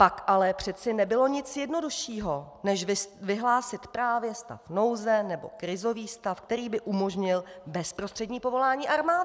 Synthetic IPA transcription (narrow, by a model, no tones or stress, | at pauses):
pakʔalɛpr̝̥ɛt͡sɪnɛbɪlo̞ɲɪt͡sjɛdno̞duʃiːɦo̞ | nɛʃvɪɦlaːsɪt̪pɾaːvjɛst̪a̰fno̞wzɛnɛbo̞̰kɾɪzo̞viːst̪afk̚t̪ɛɾiːbɪʔumo̞ʒɲɪlbɛspɾost̪r̥ɛdɲiːpo̞vo̞laːɲiːʔaɾmaːd